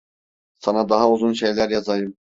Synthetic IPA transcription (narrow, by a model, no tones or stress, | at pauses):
sɑnɑd̪ɑɦɑuzunʃejlʲæɾjɑzɑjɯm